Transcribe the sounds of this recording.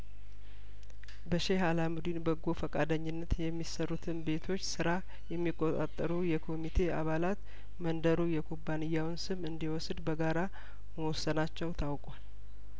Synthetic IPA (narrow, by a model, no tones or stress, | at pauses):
bəʃeɦalamud̪inbəɡːofəkʼad̪əɲːɪnːət̪jɛmːisərːut̪ʰɨnbe̞t̪ʰo̞t͡ʃːsɨɾa | jɛmːikʼːot̪ʼa̰t̪ʼːəɾujɛkʰo̞mit̪ʰe̞aβalat̪ | mənd̪əɾujɛkʰobːanɨjːawnsɨmɨnd̪iwɔsd̪bəɡaɾa | məwɔsːənat͡ʃːɛwt̪ʰawkʼwal